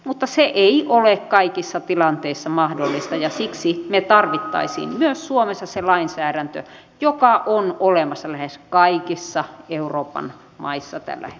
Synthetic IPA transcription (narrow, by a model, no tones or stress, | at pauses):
mut̪ːɑseʔeiʔolekkɑikisːɑt̪ilɑnt̪eisːɑmɑhdolːist̪ɑjɑsiksimet̪ɑrʋit̪ːɑ̰isḭːmmyøssuomesːɑselɑinsæːɾænt̪ø̰ | jokɑʔonolemɑsːɑlæheskɑikisːɑeuroːpɑ̰n | mɑ̰isːɑt̪æ̰lːæ̰e